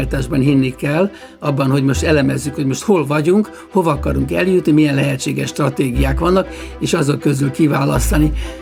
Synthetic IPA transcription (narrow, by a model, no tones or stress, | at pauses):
rt̪aːʒbɒnɦinːikɛlː | ɒbːɒnho̞ɟmo̞ʃt̪ɛlɛmɛzːykho̞ɟmo̞ʃt̪ho̞lvɒɟuŋk | ho̞vɒːkɒɾuŋkɛljut̪nimijɛnlɛɦɛtt͡ʃːeːɡɛʃːt̪rɒt̪eːɡijaːkʋɒnːɒk | eːʃɒzokkø̞zylkivaːlɒst̪ɒni